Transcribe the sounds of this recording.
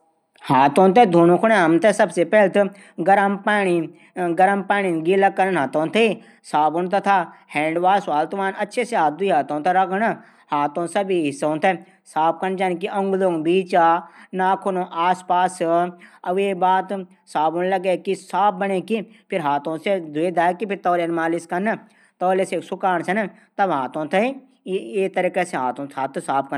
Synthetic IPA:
haːt̪õːt̪̬ed̪ʱuːnõkʰʊɽ̃eɐmt̪esɐbsepɛːlt̪ | ɡɐɾəmpaːni | ɡɐɾəmpaːninɡilɐkːɐɾənɦaːt̪õːt̪ʰe | saːbʊnt̪ɐt̪ʰaːhɛ̃ːɳɖʋaːsʋaːlt̪ʋaːnɐtːʃʰeseɦaːt̪̚d̪uiɦaːt̪õːt̪eɾɐkn | haːt̪õːsɐbiɦɪsːõt̪ʰe | saːp̚kɐnd͡ʒaːnkiɐ̃ŋɡlõŋbiːt͡ʃaːnaːkʰonõʔaːspaːsɐʋeːbaːt̪ | saːbunlɐɡekisaːp̚bɐneki | pʰɪɾɦaːt̪õsed̪ʊed̪aːkipʰɪɾt̪ɔːlenmaːliskɐn | t̪ɔːleseksʊkaːñsɐn | t̪ɐbɦaːt̪õːt̪ʰɐ | eːt̪ɐɾikeseɦaːt̪õt̪ʰaːt̪saːp̚kɐ

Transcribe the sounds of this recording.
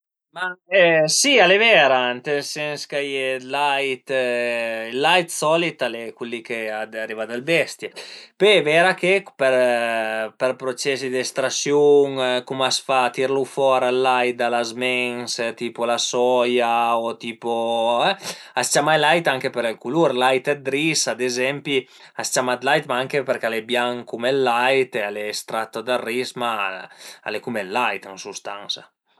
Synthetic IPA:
maɛsialevɛːɾant̪esɛnskajelajt̪ | ilːajt̪sɔlit̪alɛkulːikead̪arivad̪albɛst̪jepevɛːɾakepeɾ | peɾpɾot͡ʃɛsid̪ɛst̪ɾasjuŋkumasfat̪iɾlufɔːɾalːaj̪̚d̪alazmɛŋst̪iːpolasɔjaot̪iːpoɛast͡ʃamajlajt̪aŋkepeɾelkuluɾlajt̪ɛd̪ɾisad̪ezɛmpi | ast͡ʃamat̪lajt̪maaŋkepeɾkalebjaŋkumelːajt̪ealeːst̪ɾat̪ːod̪arːisma | a̰lekumɛlːajt̪ansust̪a̰ŋsa̰

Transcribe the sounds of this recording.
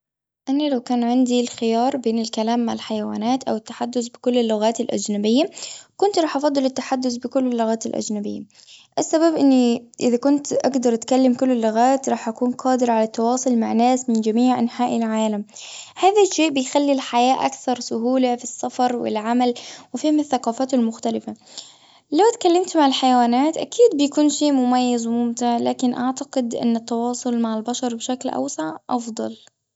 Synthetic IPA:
ʔanalawkaːnʕɪnd̪ilxɪjɑːɾˤbeːnɪlkalaːmːaʕɪlħajawa̰ːnaːt̪ʔawɪt̪ːḁħad̪ːʊθbɪkʊlːɪlːʊɣaːt̪ɪlʔa̰d͡ʒnabɪjːakʊnt̪ɾˤɑːħʔɑfɑd̪ˤːɨlɪt̪ːaħad̪ːʊθbɪkʊlːɪlːʊɣaːt̪ɪlʔa̰d͡ʒnabɪ̰jːa̰ | ʔasːababʔɪnːiʔɪðakʊnt̪ʔa̰ɡd̪ɑɾˤʔt̪kalːamkʊlːɪlːʊɣaːt̪ɾˤɑːħʔakuːnqʰɑːd̪ɪɾɑʕalat̪ːɑwɑːsˤʊlmaʕnːaːsmɪnd͡ʒamiːʕʔanħaːʔɪlʕaːlamhaːðaʃeːʔbɪjxalːilħajaːʔa̰kθɑɾˤsʊɦuːlafisːafɑɾˤwɪ̰lʕamalwɪfiːhɪmɪθːaqɑːfaːt̪ɪlmʊxt̪alɪfa | lawt̪kalːɪmt̪maʕɪlħajawaːnaːt̪ʔa̰kiːd̪̚bɪjkuːnʃeːmʊmajːazwmʊmt̪ɪʕla̰ːkɪnʔaʕt̪aqɪd̪ʔɪ̰nːɪt̪ːɑwɑːsˤʊlmaʕɪlbaʃɑɾˤbɪʃaklʔa̰wsaʕʔɑfd̪ˤɑ̰l

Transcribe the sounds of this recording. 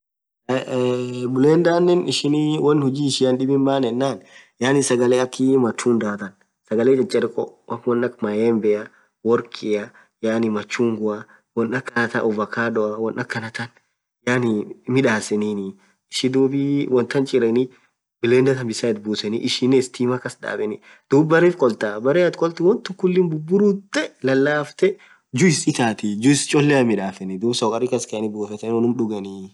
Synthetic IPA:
bʊleːnd̪aːnːɛnɪʃɪniwɐnhʊd͡ʒiːɪʃɪɐnɗɪbɪmbaːnɛnːaːnjaːnɪsɐɡɐleɐkːimɐt͡ʃːuːnd̪aːt̪ɐn | sɐɡɐleːt͡ʃɐt͡ʃʼɛɾɪkʼɔ̰wɐwɔnːɐkmɐjɛmbɛɐ | wɔɾkʰʼɪɐ | jaːnɪmɐt͡ʃːuŋɡʊɐ | wɔnɐkːɐnɐt̪ɐʔʊvɐkaːɗɔɐwɔnʔɐkːɐnɐt̪ɐn | janimɪᶑaːsɛninɪ | ɪʃɪd̪uːbiwɔnt̪ɐnt͡ʃʼɪɾɛni | bɪleːnd̪ɐt̪ɐmbɪsaːɪt̪buːsɛnḭʔɪʃɪnːeːst̪iːmɐkɐsᶑa̰ːbɛnɪ | d̪̥uːbbɐɾeːfkʼɔlt̪abɐɾeɐt̪kʼɔlt̪ɪwɔnt̪ʊkʊlːɪnbʊbːʊɾuːt̪ːɛlɐlːaːft̪ɛ | d͡ʒʊɪsɪt̪aːt̪ɪd͡ʒʊɪst͡ʃʼɔlːɛɐmɪᶑaːfɛnɪd̪uːbsɔkʼɐrikɐskɛɐnɪbuːfɛt̪ɛnɔnʊmᶑʊɡɐni

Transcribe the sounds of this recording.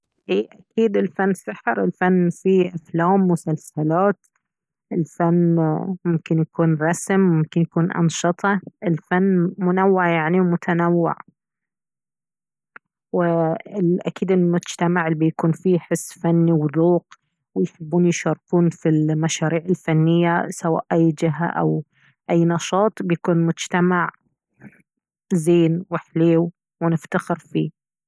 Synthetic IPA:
ʔiːʔakiːd̪ɪlfanːsaħɾɪlfanːfiʔaflaːmːʊsalsalaːt̪ | ʔɪlfanːmʊmkɪnjakuːnɾˤɑsmmʊmkɪnjakuːnʔɑ̰nʃɨt̪ˤɑʔɪlfanːmʊnawːɪʕjaʕniwmʊt̪ʰanawːɪ̰ʕ | wɪɪlʔa̰kiːd̪ɪlmʊd͡ʒt̪amaʕɪlbijakuːnfiħɪsːfanːiwd̪ˤuːq | wɪjħɪbːuːnjʃɑɾˤquːnfilmaʃaːɾiːʕɪlfanːɪjːasawa̰ːʔʔajːd͡ʒɪɦa̰ʔa̰w | ʔajːnɑʃɑːt̪ˤbjakuːnmʊd͡ʒt̪amaʕ | zeːnwɪħleːw | wnɪft̪axɪɾfḭː

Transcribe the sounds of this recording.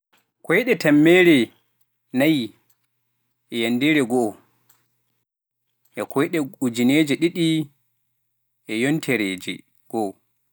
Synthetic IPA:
kɔjɗɛtamːɛːɾɛ | naj | ʔɛjandɛɾɛɡɔ | ʔɛkʰɔjɗɛud͡ʒineːd͡ʒɛɗiɗi | ʔɛjontʰɛɾeːd͡ʒɛ̰ | ɡ̥ɔ

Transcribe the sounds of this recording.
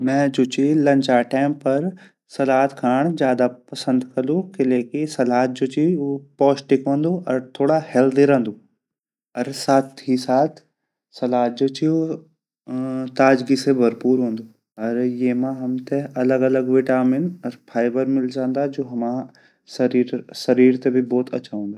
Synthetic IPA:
mɛ̃ːd͡ʑut͡ɕilɐ̃ɲt͡ʃaʈɛːmpɐɾ | sɐlaːt̪kʰaːɽ̃zjaːd̪apɐsə̃nd̪kɐlukɪleːkisɐlaːt̪̚ʰd͡ʑoːt͡ɕipɔːsʈɪkʋõːnd̪oʔɐɾt̪ʰoːɽahɛld̪iɾə̃ːnd̪oː | ɐɾsaːt̪ʰisaːt̪ʰ | sɐlaːt̪̚d͡ʒoːt͡ʃʰio | t̪aːd͡ʒɡisebʱɐɾpuːɾɦõːn̆d̪oː | ɐɾjemãɦɐmt̪eɐləɡɐləɡʋeːʈaːmɪnɐɾpʰaːɪbəɾmɪlzãːnd̪ad͡ʒoːɦɐmã | sɐɾiːɾsɐɾiːɾt̪ebʱibɔːt̪ɐ̰ːʃʰaɦõːnd̪aː

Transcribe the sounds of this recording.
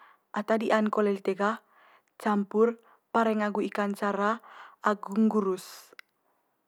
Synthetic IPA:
ʔat̪adiʔankɔlɛlit̪eɡa | t͡ʃampur | paɾɛŋaɡuikant͡ʃaɾaːɡuŋɡuɾus

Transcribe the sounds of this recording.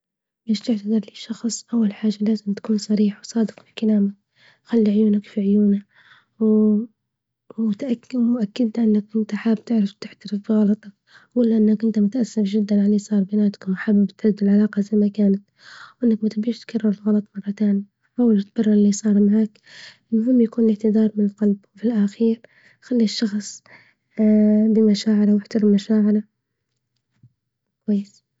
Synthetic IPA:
beːʃt̪ɪʕt̪ad̪ɑɾˤliːʃɑxsˤʔawːalħaːʒalaːzɪmt̪ḁkuːnsˤɑɾiːħwsˤɑːd̪ɪqfɪlkalaːmak̚ | xalːiʕʊjuːnakfiʕʊjuːna | w | t̪ʔakːmʊʔakːɪd̪laʔanːakʔɪnt̪aħaːb̚t̪ɪʕɾɪft̪ɪħt̪aɾɪfbiɣɑlɑt̪ˤɑk | ɡʊlːaʔɪnːakʔɪnt̪amʊt̪aʔasːɪfʒɪd̪ːanʕaliːsˤɑːɾˤbanaːt̪ḁkmʊħabɪbt̪ʕɪd̪ːɪlʕalɑːqɑzamakaːnat̪ | wʔɪnːakmat̪biːʃt̪kʰarˤːɑɾˤɪlɣɑlɑt̪ˤmɑrˤːɑt̪aːni | ħawːalt̪̚bɑrˤːɪɾɪliːsˤɑːɾˤmaʕaːk | lmʊɦɪmːjakuːnlɪʕt̪ɪd̪ɑːɾˤmɪnɪlqɑlbwfilʔaxiːɾ | xalːiʃːɑxsˤ | bimaʃaːʕɪɾawɪħt̪ɑɾɪmːaʃaːʕɪla | kwajːɪs

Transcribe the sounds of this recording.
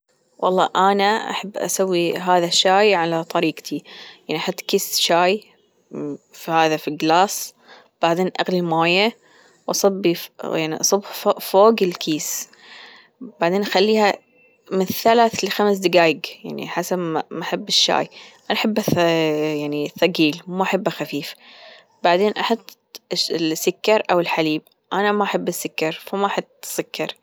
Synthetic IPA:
wʔɑlˤːɑ̰ːʔanaʔa̰ħabːʔa̰sawːiɦaːðaʃːaːjʕalat̪ˤɑɾiːɡt̪ʰijaʕniʔaħat̪ːkiːsʃaːj | fihaːðafiɡlaːs | b̥aʕd̪eːnʔaɣlimaːja | wʔɑsˤɑbːijaʕniʔɑsˤʊbħfoːɡɪlkʰiːs | baʕd̪eːnʔaxalːiːha | mɪnθalaːθlɪxams̬d̪ɪɡaːjɪɡja̰ʕnḭħasabmaħabːɪʃːa̰ːjʔanʔaħabːajaʕniθɑɡiːlmaʔaħabːaxafiːf | baʕd̪eːnʔɑħɑt̪ˤː | lsːʊkːɑɾˤʔawɪlħaliːb̚ | ʔanamaʔaħabːasːʊkːɑɾˤfamaʔaħɑt̪ˤːsʊkʰːɑɾˤ

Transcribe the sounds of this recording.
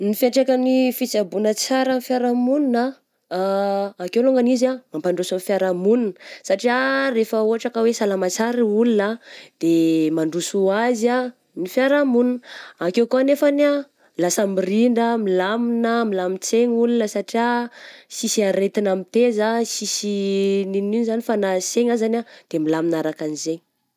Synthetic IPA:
nifeʈ͡ʂakanifit͡sabunət͡saɾanifjaɾamunina | kewluŋɡanizamampaɳɖ͡ʐusanfjaɾamuninəsaʈ͡ʂiarefəuɦaʈ͡ʂakəwesalamat͡saɾiulunad̪̥emaɳɖ͡ʐusuaza | nifjaɾamuninakewkuanefana | lasəmiriɳɖ͡ʐəmilaminəmilamit͡seɲulunəsaʈ͡ʂiasisiaɾet̪inamit̪ezasisinininzanifanaseɲazanad̪̥emilaminaɾakanize

